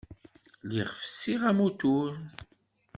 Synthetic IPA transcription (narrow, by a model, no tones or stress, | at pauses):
liʁfsiʁæmut̪uɾ